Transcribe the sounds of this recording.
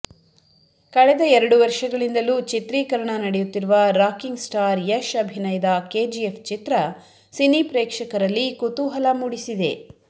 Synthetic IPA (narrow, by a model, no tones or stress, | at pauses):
kɐɭɛd̪ɐɛɾɐɽuʋɐɾʃɐɡɐɭind̪ɐluːt͡ʃit̪ɾiːkɐɾɐɳɐnɐɽejut̪ːiɾuʋɐɾaːkiŋɡsʈaːɾjɐʃɐbʱinɐjd̪ɐke̞ːd͡ʒiepʰt͡ʃit̪ɾɐ | sinipɾɛːkʂɐkɐɾɐlːikut̪uɦɐlɐmuɽisid̪e̞̰